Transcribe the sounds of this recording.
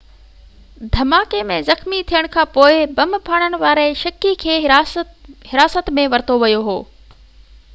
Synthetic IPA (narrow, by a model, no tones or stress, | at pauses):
d̪ʱɐmaːkemẽzɐxmit̪ʰijəɽ̃kʰãːpoːɪbɐmpʰaːɽ̃ənɪ̆ʋaːɾeʃɐkikʰeː | hɪɾaːsət̪mẽʋɐɾɪt̪oʋɐjoɦoː